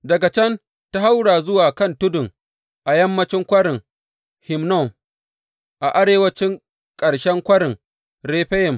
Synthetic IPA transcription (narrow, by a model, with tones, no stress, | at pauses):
dɐ˨ɡa˨t͡ʃɛ˦n | ta˦ha˦wɽaː˨zʊ˦waː˨kɐ˦˨ntʊ˦dʊ˨ŋ | ʔa˨jɐ˦mːɐ˦t͡ʃɪ˦ŋkʷɐ˦ɽɪ˨ŋ | hɪ˨mnɔ˦˨ŋ | ʔa˨ʔa˦ɾeː˨wɐ˦t͡ʃɪ˦ŋ | kʼɐ˨ɽʃɛ˦ŋkʷɐ˦ɽɪ˨ŋ | ɾeː˦ɸe˦jɪ˨m